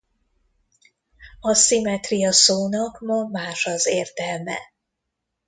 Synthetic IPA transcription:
ɒsimɛt̪rijɒsoːnɒkmɒmaːʃɒzeːrt̪ɛlmɛ̰

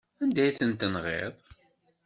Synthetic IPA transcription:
ænd̪æjθənt̪ːənʁḛðˤ

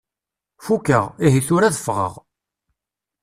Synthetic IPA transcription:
fukːə̰ʁiɦiθʊɾæðəfʁə̰ʁ

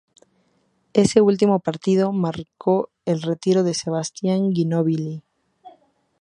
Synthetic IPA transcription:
e̞se̞ult̪̬imo̞paɾt̪ið̞o̞maɾkʰo̞ | e̞lre̞t̪iɾo̞ð̞e̞se̞β̞ast̪jaŋɡinoβili

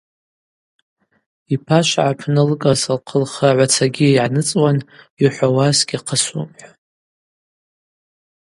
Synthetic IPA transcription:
ipʰaʃʷʕapʰnɨlkʼasɨlqʰəlχaʕʷat͡sʰaɡʲiʕanɨt͡sʼwan | iħʷawasɡʲiqʰəsṵmħʷᶣa

